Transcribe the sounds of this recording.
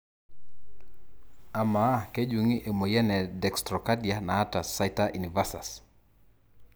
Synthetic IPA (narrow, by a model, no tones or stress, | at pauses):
amaked͡ʒuŋiʔemojɛnɛdɛkstɾɔkadianaatasajtaʔḭnivasa̰s